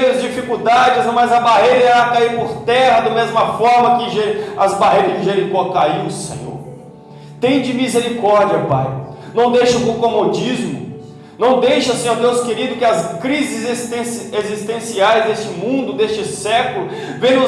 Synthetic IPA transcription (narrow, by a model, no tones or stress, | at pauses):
ɾɐzd͡ʒifikud̪ad͡ʒɪzmɐzɐbaɦejɾɐiɾakaiɾpoɾt̪ɛhɐd̪ɐmezmɐfɔɾmɐkɪʒeɾɐzbaɦejɾɐzɪʒeɾikoɐkaiʊsḛ̃ɲo̰ɾ | t̪ẽj̃d͡ʒɪmizeɾikɔɾd͡ʒiɐpa̰jnɐ̃w̃d̪ejʃɐʊpõkomod͡ʒizmʊ̰ | nɐ̃w̃d̪ejʃɐsẽɲoɾd̪ewskeɾid̪ʊkɪɐskɾizɪzst̪ẽsezist̪ẽsiajzd̪est͡ʃɪmũnd̪ʊd̪est͡ʃɪsɛkʊlʊ | vẽj̃ʊ